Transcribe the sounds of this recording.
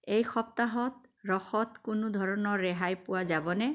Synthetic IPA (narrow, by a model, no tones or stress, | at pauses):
ejxɔp̚t̪aɦɔt̪ɾɔxɔt̪kunud̪ʱɔɾɔnɔɾeɦajpuwad͡ʒabɔne